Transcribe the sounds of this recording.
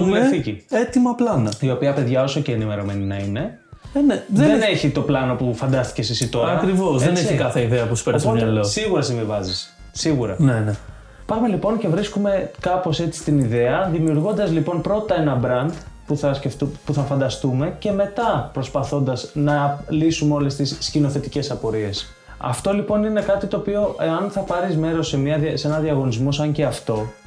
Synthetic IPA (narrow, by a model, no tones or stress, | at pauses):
eθiciet̪imɐplɐnɐio̞piɐpe̞ðʝɐo̞so̞ce̞ːnime̞ɾo̞me̞ninɐine̞ | neðene̞çit̪o̞plɐno̞pufɐnd̪ɐst̪i̥ce̞sisit̪o̞ɾɐɐkɾivo̞sðenesçikɐθeiðeɐpusu̥peɾsomɐlosiɣuɾɐsiɱvivɐzis | siɣuɾɐ̰nene | pɐmelipo̞nce̞vɾiskume̞kɐpo̞se̞t͡si̥st̪iniðe̞ɐðimiuɾɣo̞nd̪ɐzlipo̞npɾo̞t̪ɐe̞nɐbɾɐnd̪puθɐsceft̪upuθɐfɐnd̪ɐst̪ume̞ceme̞t̪ɐpɾo̞spɐθo̞nd̪ɐznɐlisumeo̞le̞st̪isːcino̞θe̞t̪ice̞sɐpo̞ɾie̞s | ɐ̰ft̪o̞lipo̞nine̞kɐt̪it̪o̞ːpio̞ʔeɐnθɐpɐɾizme̞ɾo̞semɐðsenɐðiɐɣo̞nizmosɐɲce̞ɐft̪o̞